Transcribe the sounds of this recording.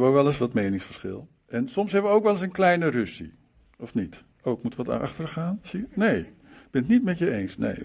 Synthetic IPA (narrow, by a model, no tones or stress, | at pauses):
bəʋəʋɛləsʋɑtmejnɪŋsfəɹsχɪ̰lˠ | ʔɛnsɔmsɦɛbəʋəowkʋɛlˠəsənklɛjnərɵsḭ | ɔfnit | owk̚mutʋɑtɑ̰χtəɹχaːnsinej | ɡb̥ɪnətnitmɛtjəejnsnḛj